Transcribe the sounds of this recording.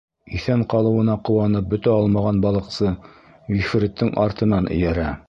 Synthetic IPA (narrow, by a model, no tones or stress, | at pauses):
iθæɴqɑlˠɤ̆wɤ̆nɑqŏwɑnɤp̚bɵ̆t̪æɑlˠmɑʁɑnbɑlˠɤ̆qsɤ | wif̆ɾɘ̆t̪ːɘŋʔɑɾt̪ɤ̆nɑnʔɘ̰̆jæɾæ